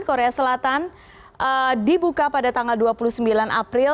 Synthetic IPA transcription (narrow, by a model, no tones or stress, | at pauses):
nkoɾeasəlat̪an | ʔədibukapadat̪aŋalduapuluhsəmbilanʔa̰pɾɪ